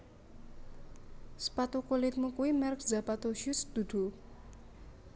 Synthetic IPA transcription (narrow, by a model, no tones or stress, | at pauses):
sə̥pat̪ukulɪt̪̚mukuwimɛrk̚zapat̪oʃusd̪̥ṳd̪̥ṳ